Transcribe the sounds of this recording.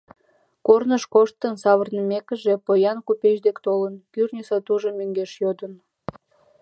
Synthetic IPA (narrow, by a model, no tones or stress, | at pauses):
kornəʃkoʃt̪ənsɑβərnəmekə̆ʒepojɑnkupeʃd̪ekt̪olənkyrnʲisɑt̪uʒomøŋɡeʃjod̪ən